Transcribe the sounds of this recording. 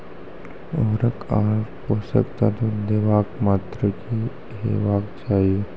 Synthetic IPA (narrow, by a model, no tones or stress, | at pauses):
oːɾəkaːɾposə̰kt̪at̪od̪eːʋaːkmaːt̪ɾəki | ɦḛʋaːkt͡ʃaːi